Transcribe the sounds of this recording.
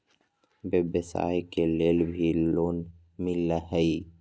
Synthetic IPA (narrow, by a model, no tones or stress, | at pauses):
bebesa̰ːekeleːlbʱiloːn | mɪlːaɦəi